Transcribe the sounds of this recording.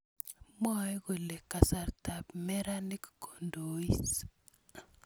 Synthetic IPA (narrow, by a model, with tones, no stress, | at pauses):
mɔ˦e˦ɣo˨le˨kːa˨sa˨ɾta˨pmɛ˦ɾa˦ni˦kko˨ndo˨i˦s